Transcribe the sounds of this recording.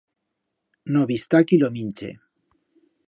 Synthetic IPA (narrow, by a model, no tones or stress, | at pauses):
noβist̪akilomint͡ʃḛ